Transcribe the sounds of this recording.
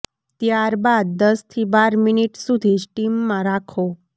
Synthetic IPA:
t̪jaɾbad̪̚ːəst̪ʰiːbaɾminiʈsud̪ʱid͡ʒʈimːãɾakʰo

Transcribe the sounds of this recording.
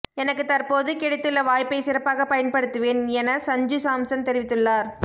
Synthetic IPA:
ɛnɐkːɯt̪ɐɾpoːðɯkɪɽɐɪt̪ːɯɭːɐʋaːjpːɐɪsɪɾɐpːaːɣɐpɐjɐnpɐɽɯt̪ːɯʋeːnɛnɐsɐɲd͡ʒɯsaːmsɐnt̪ɛɾɪʋɪt̪ːɯɭːaːɾ

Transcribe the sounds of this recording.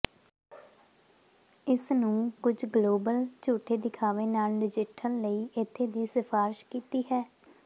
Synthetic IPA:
ɪsnũːkʊd͡ʒɡloːbəlt͡ʃuːʈʰeːd̪ɪkʰaːʋeːnaːlɖɪd͡ʒɪʈʰəlːəiːʔɪt̪ʰːeːd̪iːsɪfʰaːɾɪʃkiːt̪iːɦɛː

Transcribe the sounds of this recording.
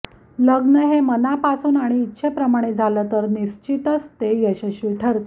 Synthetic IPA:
ləɡnəɦemənapasuːnaɽ̃iːt̪ːɕʰepɾəmaɽ̃ed͡zʱalət̪əɾniɕt͡ɕit̪əst̪ejəɕeɕʋiʈʰəɾt̪

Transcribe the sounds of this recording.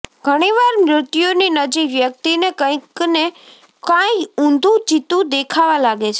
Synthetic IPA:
ɡʱəɽ̃iʋaɾmɾɪt̪joninəd͡ʒiʋjək̚t̪inekə̃j̃kne | kãjũnd̪ʱũd͡ʒit̪ũd̪ekʰaʋalaɡet͡ʃʰe

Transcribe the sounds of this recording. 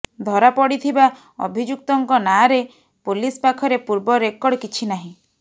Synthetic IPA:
d̪ʱɔɾapɔɽit̪ʰiba | ɔ̰bʱid͡ʒuk̚t̪ɔŋkɔnaɾe | pulispakʰɔɾepuɾbɔɾekɔɽkit͡ʃʰinaɦĩ

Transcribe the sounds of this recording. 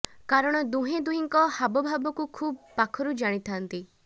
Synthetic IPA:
kaɾɔɽ̃ɔd̪uɦẽd̪uɦiŋkɔhabɔbʱabɔkukʰubpakʰɔɾud͡ʒaɽ̃it̪ʰant̪i

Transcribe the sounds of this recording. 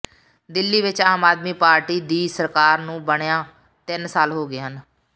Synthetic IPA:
d̪ɪlːiːʋɪt͡ʃaːmaːd̪miːpaːɾʈiːd̪iːsəɾkaːɾnũːbəɳejãː | t̪ɪnsaːlɦoːɡɪːɦən

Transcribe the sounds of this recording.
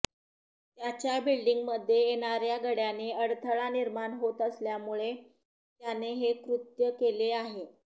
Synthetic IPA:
t̪jat͡ɕjabilɖiŋɡməd̪ʱːjejeɽ̃aɾjaɡəɽjaneəɽt̪ʰəɭaniɾmaɳɦot̪əsljamuɭe | t̪janeɦekɾut̪jəkeleaɦe

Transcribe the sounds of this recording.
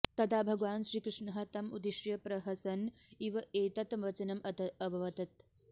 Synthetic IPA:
t̪ɐd̪aːbʱɐɡʋaːnʃɾiːkɾɪʂɳɐɦɐ̆t̪ɐmud̪iʃjɐpɾɐɦɐsɐniʋɐeːt̪ɐt̪mʋɐt͡ʃɐnɐmɐbɐʋɐt̪ɐt̪

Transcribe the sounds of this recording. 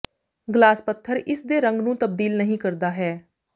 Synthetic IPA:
ɡlaːspət̪ʰːəɾɪsd̪eːɾə̃ŋɡnũːt̪əb̚d̪iːlnəɦĩːkəɾd̪aːɦɛː

